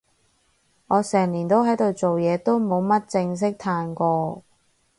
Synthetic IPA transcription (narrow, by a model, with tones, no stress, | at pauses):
ŋɔː˨˧sɛː˨˩ŋliː˨˩nt̪o˥wɦɐ˨˥jt̪o˨wt͡so˨wjɛː˨˧t̪o˥wmo˨˧wmɐ˥t̚t͡sɪ˧ŋs̬ɪ˥k̚t̪ʰaː˧nkʷɔː˧